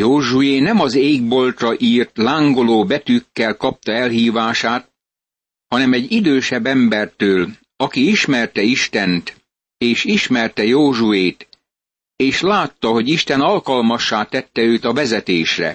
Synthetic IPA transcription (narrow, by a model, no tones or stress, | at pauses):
joːʒujeːnɛmɒzeːɡ̚bo̞lt̪rɒʔiːrt̪laːŋɡoloːbɛt̪ykːɛlkɒp̚t̪ɒɛlɦiːvaːʃaːt̪̚ | hɒnɛmɛɟːid̪øːʃɛbːɛmbɛrt̪øːl | ɒkiiʃmɛrt̪ɛiʃt̪ɛnt̪ | eːʃiʃmɛrt̪ɛjoːʒujeːt̪ | eːʃlaːt̪ːɒɦo̞ɟiʃt̪ɛnɒlkɒlmɒʃːaːt̪ɛt̪ːɛøːt̪ɒvɛzɛt̪eːʃrɛ̰